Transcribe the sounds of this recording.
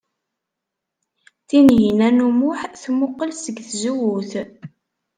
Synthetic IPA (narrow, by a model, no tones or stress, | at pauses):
θinjinænumʊħθmʊqːəlsəɡθzuwuθ